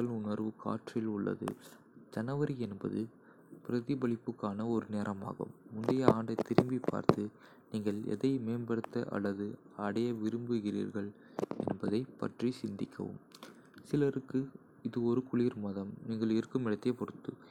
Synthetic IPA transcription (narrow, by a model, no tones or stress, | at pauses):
ɐɭʊnɐɾʋɯka̰ːʈrɐjɪlʊɭːɐ̰ðɯ̰ | d͡ʒɐnɐʋɐɾiɛnbɐðɯ | pɪɾɐðɪbɐɭɪpːɯkːaːnɐɔɾɯneːɾʔɐma̰ːɣɐ̰mːʊnɖɐjɐaːɳɖɐɪt̪ːɪɾɪmbipːa̰ːɾt̪ɯ | niːŋɡɐɭɛ̰ðɐɪmeːnbɐɽɯt̪ːɐʔɐ̰ɭːɐðɯɐɽɐjɐʋɪɾɯmbɯɣɪɾḭːɾɣɐɭ | ɛ̰nbɐðɐɪpɐ̰ʈrisɪnd̪ɪkʰːɐ̰ʋɯ̰m | sɪlɐɾɯkːɯ | ɪðɯɔɾɯkʊɭiːɾmɐðɐmniːŋɡɐɭɪɾkːɯmɪɽɐt̪ːejɐpɔɽɯt̪ːɯ